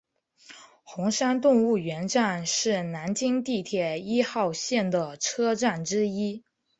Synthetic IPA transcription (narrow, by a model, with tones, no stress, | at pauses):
xʊ˧˥ŋʂa˥nt̪ʊ˥˧ŋu˥˩ɥɛ˧˥nʈ͡ʂa˥˧nʂɻ̩˥˩na˧˥nt͡ɕi˥ŋt̪i˥˩t̪ʰjɛ˨˩i˥xɑ˥˧ʊɕjɛ˥˩nd̪ə˩ʈ͡ʂʰɤ˥ʈ͡ʂa˥˩nʈ͡ʂɻ̩˥i˥